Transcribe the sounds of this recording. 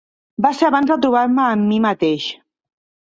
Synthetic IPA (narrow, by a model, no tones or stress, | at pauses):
baseaβanzðət̪̬ɾuβ̞aɾməːmːimət̪eʃ